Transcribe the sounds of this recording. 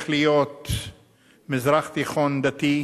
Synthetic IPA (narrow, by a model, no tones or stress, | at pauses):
χlijot̪ | mɪzɾaχt̪iχond̪at̪i